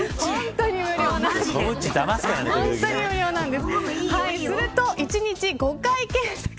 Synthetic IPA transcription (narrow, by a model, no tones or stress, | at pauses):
hõnt̪o̞ɲ̟imɯ̟ɾʲo̞ːnãot͡ɕid̪amasɨ̥kaɾaneõnt̪oɲ̟imɯ̟ɾʲjo̞ːnãnd̪e̞sɨ̥haisɨɾɯ̟t̪o̞ʔit͡ɕiɲ̟it͡ɕiɡo̞kaikẽɰ̃sḁk